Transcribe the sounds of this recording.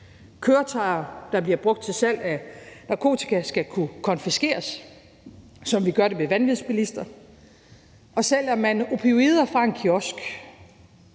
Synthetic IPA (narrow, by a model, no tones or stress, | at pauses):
kʰøːɐt͡sʰɑ̈ɪɐd̥ɑ̈b̥liɐb̥ʁɔ̽ɡ̥̚d̥̚t͡sʰe̝sæl̰ænɑ̈kʰo̝̰ːt͡sʰi̥kʰæsɡ̥ækʰukʰɒ̽nfisɡ̥e̝̰ːɐs | sɒ̽mʋiɡ̥ɶɐɾ̥emeʋænʋiðˠsb̥ilisd̥ɐ | ʔɒ̽sel̰æɐmænəʔo̝pʰeo̝iːð̞ˠɐfʁɑ̈e̝nkʰiɒ̽sɡ̥